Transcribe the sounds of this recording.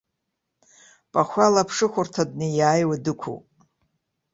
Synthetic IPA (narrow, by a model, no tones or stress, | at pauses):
pʼaχʷalapʰʂɨχʷʊrtʰadnɨjaːjwadɨkʷʰo̰wpʼ